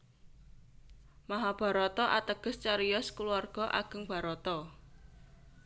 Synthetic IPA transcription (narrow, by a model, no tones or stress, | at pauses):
maɦab̥a̤ɾɔt̪ɔʔa̰t̪əɡ̥ə̤st͡ʃaɾijɔskuluarɡ̥ɔ̤ʔa̰ɡ̥ə̤ŋb̥a̤ɾɔt̪ɔ